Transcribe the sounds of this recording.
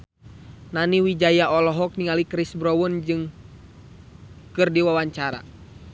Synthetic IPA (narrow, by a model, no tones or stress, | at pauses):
naniwid͡ʒajaʔɔlɔɦɔk̚niŋalikɾisbɾɔwund͡ʒɨŋ | kɨrdiwawaɲt͡ʃaɾa̰